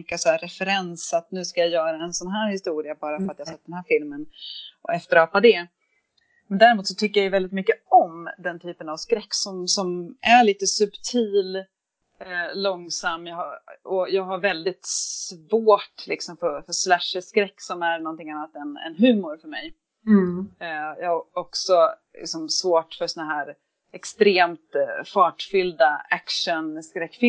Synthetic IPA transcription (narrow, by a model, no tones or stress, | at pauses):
kːasɔæɾɛfɛɾɛnsat̪nʉ̟ːskajajœːɾaɛnsɔnɦæːɾhɪst̪uːɾɪabɑːɾafœɾat̪jahasɛt̪̚ːd̪ɛnhɦæːɾfɪlmənʔɔ̰ɛft̪əɾɑːpad̪ɛ | mɛnd̪æɾɪmuːt̪sɔt̪ʰʏkːəɾjajɵvɛld̪ɪt̪̚mʏkːəɔmd̪ɛnt̪ʰyːpənavskɾɛkːsɔmsɔmæɾɭiːt̪əsɵbt̪ʰiːl | lɔŋsamːjahaɔjɑːɡɦaɾvɛld̪ɪt̪svoːʈlɪ̰ksɔmfœɾfœʂlæʂəskɾɛkːsɔmæɾnɔnt̪ɪŋanːat̪ɛnɛ̰nɦʉ̟ːmʊɾfœɾmɛj | jɑːaɔksɔlɪ̰ksɔmsvoːʈfœɾsɔnaɦæːɾ | ɛkst̪ɾeːmt̪fɑːʈfʏld̪aækʂənskɾɛkːfɪ